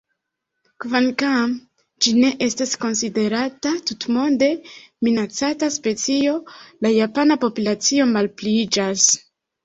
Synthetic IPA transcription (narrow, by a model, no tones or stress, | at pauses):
kvankam | d͡ʒine̞ʔe̞stasko̞nside̞ɾatatutmo̞nde̞minat͡sataspe̞t͡sio̞lajapanapo̞pulat͡sio̞malplid͡ʒas